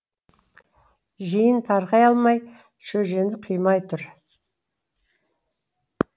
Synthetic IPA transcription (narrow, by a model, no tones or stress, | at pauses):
ʒijənt̪ʰɑɾqɑjɑlˠmɑj | ʃɵʒe̞nd̪ɪqʰijmɑjt̪ʰʊɾ